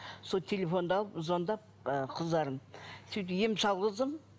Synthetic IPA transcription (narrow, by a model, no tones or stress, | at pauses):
sot̪ʲʰelʲefo̞nd̪ɑlˠəpzond̪ɑp̚qʰəzd̪ɑɾəmsejt̪jemʃɑlˠʁəzd̪əm